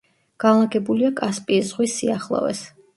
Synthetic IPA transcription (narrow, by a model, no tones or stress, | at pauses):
ɡ̥anlˠaɡɛbuliakʼaspʼizʁwisiaχlˠɔ̰vɛ̰s